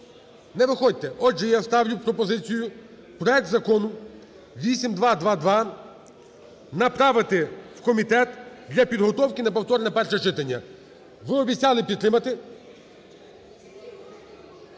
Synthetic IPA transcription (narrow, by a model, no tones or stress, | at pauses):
nɛʋɪxɔd̚ʲt̪ɛʔɔʒɛjast̪ɑwlʲʊpɾɔpɔzɪt͡sʲijʊ | pɾɔɛk̚t̪zɐkɔnʊ | ʋʲisʲimd̪ʋɑd̪ʋɑd̪ʋɑ | nɐpɾɑʋɪt̪ɪwkɔmʲit̪ɛt̪d̪lʲɐpʲid̪ɦɔt̪ɔwkʲɪnɐpɔwt̪ɔɾnɛpɛrʃɛt͡ʃɪt̪ɐnʲːɐ | ʋɪɔbʲit͡sʲːɑlˠɪpʲid̪t̪ːɾɪmɐt̪ɪ